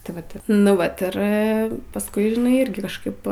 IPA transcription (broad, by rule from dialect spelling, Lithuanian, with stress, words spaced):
tɐɪ ˈʋɐt nʊ ˈʋɐt ˈɪr pɐsˈkʊɪ ʒʲɪˈnɐɪ ˈɪrʲɡʲɪ kɐʃˈkɐɪp